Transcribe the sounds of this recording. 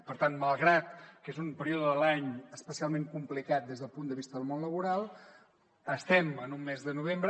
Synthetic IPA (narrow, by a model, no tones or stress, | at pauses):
pəɾt̪anməlˠɣɾat̪kezumpəɾioðəðəlaɲəspəsialˠmeŋkumplikat̪̚d̪ezðəlˠpund̪əβist̪əðəlˠmonləβ̞uɾalˠ | əst̪ɛmənumːezðənuβ̞embɾə